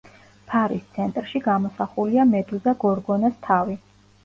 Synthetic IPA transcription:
pʰaɾist̪sʰɛnt̪ʼɾʃiɡamɔsaχuliamɛd̪ulzaɡɔɾɡɔnast̪ʰavi

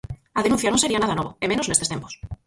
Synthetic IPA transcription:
aðenũn̟θjanõse̞ɾianaðanoβoemenonest̪et̪empo̥s

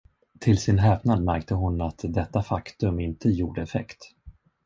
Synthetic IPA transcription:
t̪ʰɪlsɪnɦɛːpnad̪mæɾk̚t̪əɦʊnat̪d̪ɛt̪ːafakt̪ɵmɪnt̪əjuːɖəɛfɛ̰kt̪

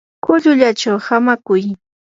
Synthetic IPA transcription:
kʊʎʊʎat͡ʃawhamakʊj

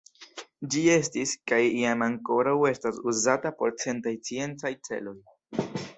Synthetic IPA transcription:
d͡ʒie̞stiskajiamaŋko̞ɾawe̞stasuzatapo̞ɾt͡se̞ntajt͡sie̞nt͡sajt͡se̞̰lo̞j

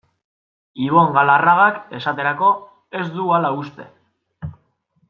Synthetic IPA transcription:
iβ̞o̞ŋɡalaraɣake̞sat̪e̞ɾako̞ | e̞zd̪ualaust̪e̞̰

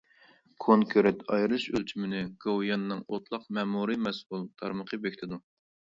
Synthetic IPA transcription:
kʰoŋkʰʲøɾɛt̪ʰɑjɾɨʃø̰lt͡ʃʰimɪnɪɡ̥owjɑnːɨŋot̪ʰlˠɑqmɛːmuɾɨmɛsulˠt̪ʰɑ̰ɾməqʰəbekʲt̪ʰɪd̪u

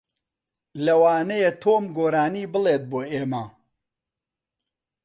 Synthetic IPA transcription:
lɐwaːnɐjet̪ʰoːmɡoːɾaːniːbɨleːt̪̚boːeːmɐ

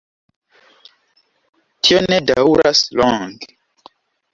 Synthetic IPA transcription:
tʰionedauɾasloŋɡe

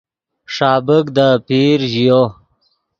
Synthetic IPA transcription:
ʂɑːbəkd̪əpiːɾʑijo

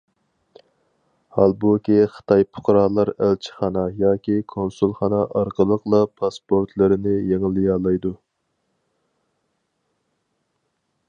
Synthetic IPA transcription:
hɑlˠbukʲiχə̥t̪ʰɑjpʰʊ̥qɾɑːlˠɑɾælt͡ʃʰɪ̥χɑnɑjɑːkʲikʰonsulˠχɑnɑʔɑɾqəlˠəqlˠɑpʰɑspoɾt̪ʰlɪɾɪnɪjeŋlˠɨjɑːlˠɑjd̪u

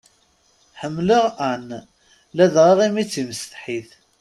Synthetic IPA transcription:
ħəmːləʁæn | læðʁiʁimit͡sːiməst̪ħiθ

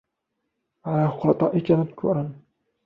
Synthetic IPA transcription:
ʕalaːxʊɾɑt̪ˤɑːʔɪkamad̪kʰṵːɾˤɑn

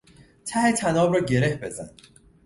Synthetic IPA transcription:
t̪ʰæhet̪ʰænɒːbɾɒːɟe̞ɾe̞hbe̞zæ̰n

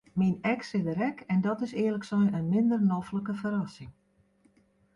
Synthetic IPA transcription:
minɛksɪdəɾɛkɛndɔtɪsɪːərləksɛjənmɪndərnɔfləkəfəɾɑsɪŋ

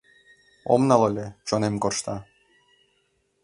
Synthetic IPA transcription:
o̰mnɑlolʲet͡ɕonemkorʃt̪ɑ

